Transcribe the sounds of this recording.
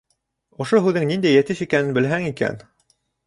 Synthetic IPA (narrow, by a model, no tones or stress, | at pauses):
ŏʃoɦʉðɘŋnind̪æjːæt̪ɘʃikænɘ̆nbɘ̆lɦæŋikæ̰n